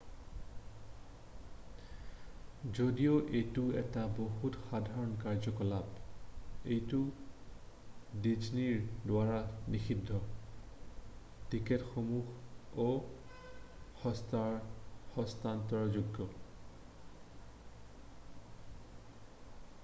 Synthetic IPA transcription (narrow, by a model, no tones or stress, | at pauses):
zodijoʔejtʊɛ̰taboɦutxadʱaɹɔnkaɹzɔkɔlab | ejtʊ | did͡ʒniɹdwaɹanixidʱːɔ | tiketxomuxo | xɔstaɹhɔstantɔɹzuɡːɔ